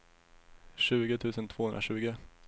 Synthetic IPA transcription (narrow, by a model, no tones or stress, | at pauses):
ʂʉ̟ːɡət̪ʰʉ̟ːsənt̪ʰv̥oːhɵnɾa̰ɕʉ̟ːɡə